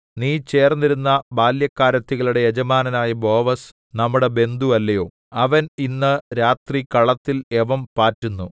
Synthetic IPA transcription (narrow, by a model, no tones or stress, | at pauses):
niːt͡ɕe̞ːrnːiɾunːɐbaːljɐkːaːɾɐt̪ːiɣɐɭuɽe̞jed͡ʑɐmaːnɐnaːjɐbo̞ːʋɐs | nɐmːuɽe̞be̞nd̪uɐlːɐjo̞ː | ɐʋɐninːɨɾaːt̪rikɐɭɐt̪ːile̞ʋɐmpaːtːunːu